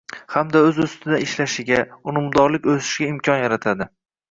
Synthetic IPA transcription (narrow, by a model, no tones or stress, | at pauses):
hamd̪aɵzʊst̪ʰɪd̪aɪʃlaʃɪɡʲaʊmʊmd̪ɒɾlɪkʲɵzɪ̥ʃɡʲaɪmkʲʰɒnjaɾat̪ʰad̪ɪ